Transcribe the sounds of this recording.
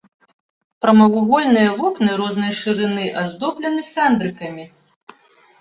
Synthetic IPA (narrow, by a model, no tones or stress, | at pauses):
pɾɐmɐwuɣɔlʲnɨjɐvɔknɨɾɔznɨjɐʂɨɾɨnɨʔɐzd̪ɔplʲɐnɨsʲand̪ɾɨkɐmʲi